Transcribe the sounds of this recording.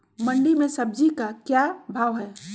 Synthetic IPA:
mɐ̃ɳɖimẽsɐb̚d͡ʒikakjabʱaːʋɦɛː

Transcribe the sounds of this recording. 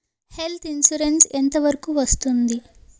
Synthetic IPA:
he̞lt̪ʰinsuɾensent̪ɐʋɐɾɐkuʋɐst̪und̪i

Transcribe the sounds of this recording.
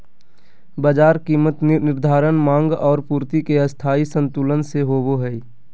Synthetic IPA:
baːd͡ʒaːɾkiːmət̪nɪɾd̪ʱaːɾənmãːŋɡɔːɾpuːɾt̪ikeəst̪ʰaːisə̃nt̪uːlənseɦoːboɦɛi

